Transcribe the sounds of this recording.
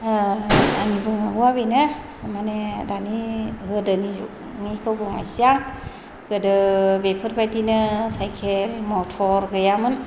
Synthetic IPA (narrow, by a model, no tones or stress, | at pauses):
anibɯŋaɡuabinɯ | manedaniɡɯdɯnizṵ | ŋekʰɯwbɯŋa̰jsijaŋ | ɡ̥ɯdɯbepʰɯɾpʰajtinɯsajkʰelmɔtʰɔɾɡɯjamɯn